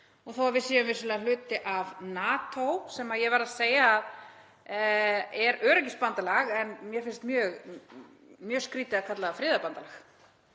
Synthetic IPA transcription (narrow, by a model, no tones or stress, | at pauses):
ɔɣθowaɾvɪðsiːjʏmvɪ̥sʏlɛːɣalʏːt̪ɪʔavnaːt̪owsɛmajɛɣvaɾaðseːjaːð | ɛɾœːɾɛcɪspant̪alaɣɛnmjɛfɪnst̪mjœːɣ | mjœːskɾiːt̪ɪakʰat̪laɣafɾɪːðapant̪alax